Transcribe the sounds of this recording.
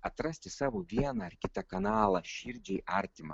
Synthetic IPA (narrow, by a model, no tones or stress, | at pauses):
ɐt̪ɾɐsʲt̪ʲɪsɑːʋoʋʲiɛnɑɐɾkʲɪt̪ɐkɐnɑːlˠɐʃʲiɾʲd͡ʒʲɛɪʔɐɾʲt̪ʲɪmɐ̰